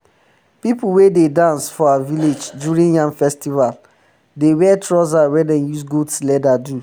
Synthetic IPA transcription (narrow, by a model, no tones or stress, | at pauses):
pipuwededãnsfɔawaviled͡ʒdjuɹĩnjãŋfɛstival | dewɛtʰɹɔzawɛdɛ̃njusɡudslɛdadu